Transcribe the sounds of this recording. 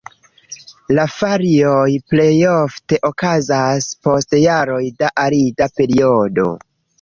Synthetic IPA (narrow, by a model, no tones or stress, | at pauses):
lafaɾiojple̞jofte̞ʔo̞kazaspo̞stjaɾo̞jdaʔaɾidape̞ɾio̞do̞̰